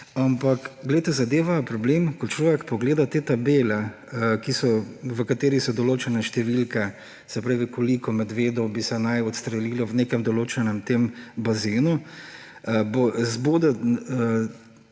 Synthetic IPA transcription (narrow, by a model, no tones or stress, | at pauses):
ampakɡlɛjt̪ɛzad̪eːʋapɾɔbleːmkɔt͡ʃlɔːʋɛkpɔɡleːd̪at̪eːt̪abeːlɛ | kisɔʋəkat̪eːɾisɔd̪ɔloːt͡ʃɛnɛʃt̪ɛʋilkɛ | sɛpɾaːʋikɔlikɔmɛd̪ʋeːd̪ɔwbisɛnajɔt̪st̪ɾɛliːlɔwneːkɛmd̪ɔloːt͡ʃɛnɛmt̪embazeːnu | bozboːd̪ɛə